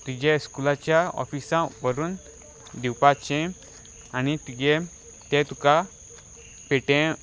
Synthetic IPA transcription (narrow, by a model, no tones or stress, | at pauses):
t̪ud͡ʑɛskulat͡ɕjaɔ̰fisãʋəɾuːn | d̪iwpat͡ɕɛ̃ | añit̪id͡ʑɛ | t̪ɛ̃t̪uka | peʈɛ̃